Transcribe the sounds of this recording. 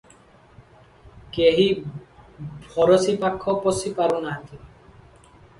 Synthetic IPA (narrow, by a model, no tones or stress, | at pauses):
keɦi | bʱɔɾɔsipakʰːɔpɔsipaɾunat̪i